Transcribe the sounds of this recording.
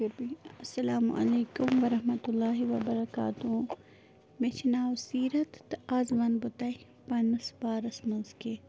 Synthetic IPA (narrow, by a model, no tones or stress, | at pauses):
pɪɾbiɐsːɐlaːmṵʔɐ̰leːkʊmʋɐɾɐɦmɐt̪ʊlːaːɦiʋɐbɐɾɐka̰ːt̪ũ | mẽt͡ʃʰɐnaːwsiːɾɐt̪aːzʋɐnbɐt̪aj | pɐnɐsbaːɾɐsmɐnzke